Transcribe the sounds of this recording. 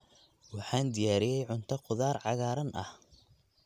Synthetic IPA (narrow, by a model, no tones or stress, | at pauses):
wɑħɑːnd̪ɪjaːɾɪjɛjʕʊnt̪ʰɐqʊðaːrʕɑɣaːɾɐnʔɐ̰h